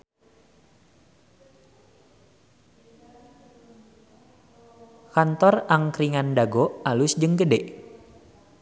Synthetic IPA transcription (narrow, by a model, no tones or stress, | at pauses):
kant̪ɔraŋkɾiŋandaɡɔʔalʊsd͡ʒəŋɡədɛʔ